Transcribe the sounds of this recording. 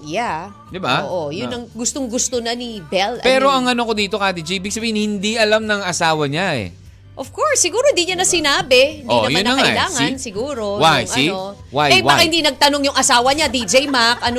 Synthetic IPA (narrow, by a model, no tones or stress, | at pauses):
ja | d̪ɪbaʔojʊnnɐŋɡʊst̪oŋɡʊst̪onɐnibɛlpɛɾo̞ʔɐŋʔɐnokod̪iːt̪o̞kaːd̪ɪd͡ʒɛjbɪɡ̚sɐbiːhɪnhɪnd̪iʔɐlamnɐŋɐsaːwɐɲaɛ̰ | ʔofkoɹsːɪɡuːɾoɪnd̪iɲɐnɐsɪnaːbɛhɪnoɐjaʊnːɐɐɐaɪlaːŋɐnsɪɡuːɾowajɐiwajɛbbaɐhɪnd̪inɐɡ̚t̪ɐnoŋjʊŋʔɐsaːwɐɲad̪id͡ʒɛjmakʔɐno